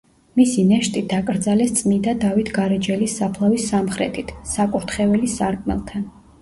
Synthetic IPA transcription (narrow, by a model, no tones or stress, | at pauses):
misinɛʃt̪ʼid̪akʼɾd̪zalɛst̪sʼmind̪ad̪avit̪ʰɡaɾɛd͡ʒɛlisːapʰlˠavisːamχɾɛ̰t̪ʰit̪ʰsakʼuɾt̪ʰχɛvɛlisaɾkʼmɛ̰lˠt̪ʰan